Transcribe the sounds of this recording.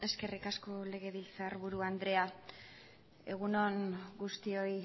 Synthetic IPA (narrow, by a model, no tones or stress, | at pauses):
e̞ske̞rikasko̞le̞ɣ̞e̞β̞ilt͡saɾβuɾuand̪ɾe̞a | e̞ɣ̞uno̞ŋɡust̪io̞i